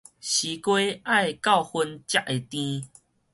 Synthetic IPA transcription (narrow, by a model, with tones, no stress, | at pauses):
ɕi˨˦kwe˦ʔa˥˧jka˥˧˨ʊhu˧nt͡ɕja˦ʔ̚e˨t̪ĩ˦